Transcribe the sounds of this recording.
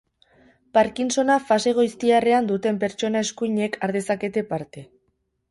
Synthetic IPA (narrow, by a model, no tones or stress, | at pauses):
paɾkinso̞nafase̞ɣ̞ojst̪iare̞and̪ut̪e̞mpe̞ɾt͡ʃo̞nae̞skuiɲe̞kʰaɾðe̞sake̞t̪e̞paɾt̪e̞